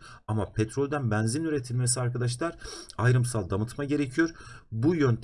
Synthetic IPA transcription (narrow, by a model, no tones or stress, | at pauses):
amapʰɛt̪ʰɾolʲd̪ænbænzinyɾet̪ʰilʲmesiaɾkad̪aʃ̬lˠaɾajɾɯmsalˠd̪amɯt̪maɟe̞ɾecʰijo̞ɾbujønt̪ʰ